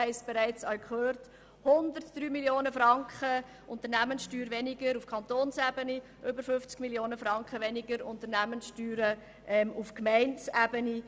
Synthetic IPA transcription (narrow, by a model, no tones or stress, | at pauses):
ɛɪsb̥eɾæɪt͡sɑɥkχøːrt | hʊnd̪əɾtd̪̥ɾyːmiljoːnəfɾɑŋkχə | ʔʊnt̪əɾnæmənsʃtyːɾʋɛniɡəɾufkʰɑntoːnsæbəni | ʔʏbəɾfʏft͡skmiljoːnəfɾɑŋkχəʋɛnɪɡəɾʊnt̪əɾnæmənsʃtyːɾə | ʔɛmufkmɛɪnt͡sæbəni